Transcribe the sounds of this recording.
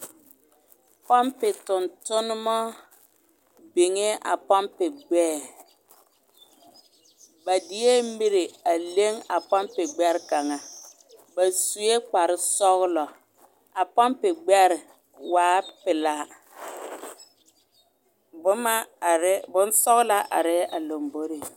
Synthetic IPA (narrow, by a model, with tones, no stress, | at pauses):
pɔ˦mpɪ˨tʊ˨ntʊ˦nʊ˦mɔ˦ | bi˨ŋe˦ʔa̰˨pɔ˦mpɪ˨ɡ͡bɛː˦˨ | ba˨dɪ˨je˦mi˦ɾe˨a˨le˦ŋa˨pɔ˦mpɪ˨ɡ͡bɛ˦ɾɪ˦ka˨ŋa˨ | ba˨su˨e˦k͡pa˨ɾɪ˦sɔ˦ɣlɔ˨ | a˨pa˦mpɪ˨ɡ͡bɛ˦ɾɪ˨ | waː˨˦pɪ˨la˨˦ | ma˦˨ɾbʊ˦n˦sɔ˦ɣla˦ʔa̰˨ɾɪ˦a˨lo˨mbo˦ɾe˨